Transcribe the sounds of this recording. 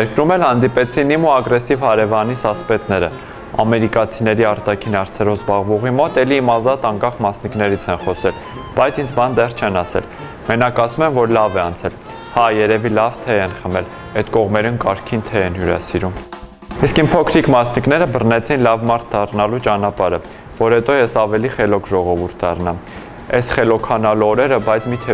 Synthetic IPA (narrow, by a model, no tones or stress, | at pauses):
jɛɾkɾumɛlhɑnd̪ipɛt͡sʰinimuɑɡɾɛsivhɑɾɛvɑnisɑspɛt̪nɛɾə̰ | ɑ̰mɛɾikɑt͡sʰinɛɾiɑɾt̪ɑkʰinɑɾt͡sʰɛɾɔvzbɑʁvɔʁimɔt̪ɛliːmɑzɑt̪ɑŋkɑχmɑsniknɛɾit͡sʰɛnχɔsɛl | b̥ɑjt͡sʰind͡zbɑnd̪ɛrt͡ʃʰɛnɑsɛ̰l | mɛnɑkɑsumɛnvɔɾlɑvɛɑnt͡sʰɛl | hɑjɛɾɛvilɑvt̪ʰɛɛnχəmɛl | ɛt̪kɔʁmɛɾunkɑɾkʰint̪ʰɛɛnjuɾɑ̰siɾum | iskimpʰɔkʰɾikmɑsniknɛɾəbərnɛt͡sʰinlɑvmɑɾt̪ʰd̪ɑrnɑlut͡ʃɑnɑpɑɾə | vɔɾhɛt̪ɔjɛsɑvɛliχɛlɔkʰʒɔʁɔvuɾt̪̚ʰd̪ɑ̰rnɑm | ɛsχɛlɔkʰɑnɑluɔɾɛɾəbɑjt͡sʰmit̪ʰɛ